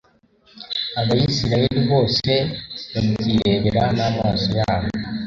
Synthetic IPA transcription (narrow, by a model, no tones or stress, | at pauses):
aβajisiɾajeɾiβo̞ːse̞βamuziɾe̞βeɾanaːmaːsojaːβo